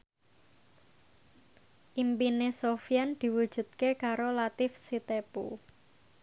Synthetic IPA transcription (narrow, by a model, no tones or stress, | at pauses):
ʔimpinesofijand̪̥i̤wud̥ʒ̥ṳt̪̚kekaɾolat̪ɪfsit̪epṵ